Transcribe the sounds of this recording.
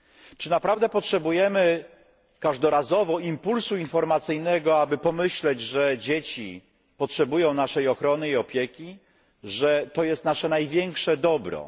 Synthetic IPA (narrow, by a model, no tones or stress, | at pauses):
t͡ʂɘnapɾavd̪ɛpɔtʂɛbujɛmɘ | kaʐd̪ɔɾazɔvɔimpulsuinfɔɾmat̪sɘjnɛɡɔabɘpɔmɘɕlɛd͡ʑʐɛd͡ʑet͡ɕḭ | pɔtʂɛbujɔ̃w̃naʂɛjɔxɾɔnɘiɔpʲjekʲi | ʐɛt̪ɔjɛst̪naʂɛnajvʲjɛŋkʂɛd̪ɔbɾɔ̰